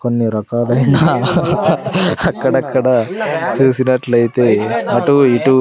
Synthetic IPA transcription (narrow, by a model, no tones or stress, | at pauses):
konːiɾɐkaːd̪ɐjnɐ | ɐkːɐɽɐkʰːɐɽɐt͡ʃusinɐʈlɐjt̪emɐʈuiʈu